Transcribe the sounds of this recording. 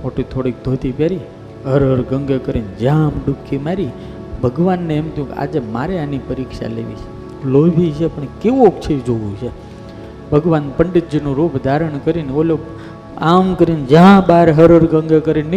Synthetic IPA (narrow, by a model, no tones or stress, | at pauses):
moʈit̪ʰoɽik̚d̪ʱot̪ipjaɾi | ɦəɾəɾɡəŋɡekəɾind͡ʒəãmɖukʰːimaɾi | bʱəɡʋanːeemt̪ʰjũkḛa̰d͡ʒemaɾeanipəɾikʃa̰lḛʋḭt͡ʃʰe | lobʱit͡ʃʰepəɳkeʋuokt͡ʃʰed͡ʒoʋũt͡ʃʰe | bʱəɡʋanpəɳɖəd͡ʒənũɾupd̪ʱaɾəɳkəɾineolo | amkəɾind͡ʒəɦãbaɾɦəɾəɾɡəŋɡekəɾin